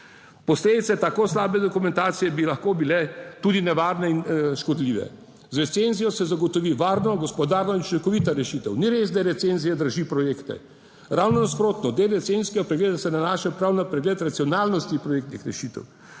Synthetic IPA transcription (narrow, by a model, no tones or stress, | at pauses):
pɔsled̪it̪sɛt̪akoːslaːbɛd̪ɔkumɛnt̪aːt̪sijɛbilaxkoːbilɛt̪ud̪inɛʋaːɾnɛinʃkɔd̪liːʋɛ̰ | zɾɛt̪senzijɔsɛzaɡɔt̪ɔʋiʋaːɾnɔɡɔspɔd̪aːɾnɔint͡ʃɛkɔʋiːt̪aɾɛʃit̪ɛ̰wniɾeːsd̪ɛɾɛt̪senzijɛd̪əɾʒipɾɔjeːkt̪ɛ̰ | ɾawnɔnaspɾoːt̪nɔd̪elɾɛt̪senskɛɡapɾɛɡleːd̪asɛnanaːʃɛpɾawnapɾɛɡlɛːt̪ɾat̪sijɔnaːlnɔst̪ipɾɔjekt̪nixɾɛʃit̪ɛ̰w